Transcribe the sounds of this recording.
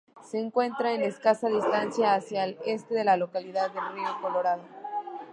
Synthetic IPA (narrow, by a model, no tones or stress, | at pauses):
se̞ːŋkwe̞nt̪ɾaene̞skasaðist̪ansjaːsjaele̞st̪e̞ðe̞lalo̞kaliðaðːe̞lrio̞ko̞lo̞ɾað̞o